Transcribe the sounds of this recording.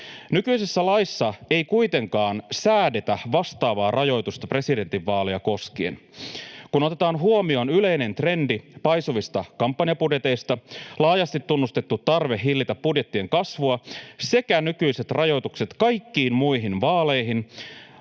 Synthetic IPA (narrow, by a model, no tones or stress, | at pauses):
nykyisesːælɑisːɑe̞jkuit̪e̞ŋkɑːnsæːde̞t̪æʋɑst̪ɑːʋɑːrʔɑjo̞jt̪ust̪ɑpre̞side̞nt̪iʋːɑːlejɑko̞skien | kuno̞t̪e̞t̪ɑːnɦuomio̞nyle̞ine̞nt̪re̞ndipɑjsuʋist̪ɑkɑmpːɑniɑpudjet̪e̞jst̪ɑlɑːjɑst̪it̪ːunːust̪e̞t̪ːut̪tːɑrʋe̞hilːit̪ɑpːudje̞t̪ːie̞ŋkɑsʋuɑse̞kænykyjse̞t̪rʔɑjo̞jt̪ukse̞t̪kɑjkːiːnmuiɦinʋɑːle̞jɦin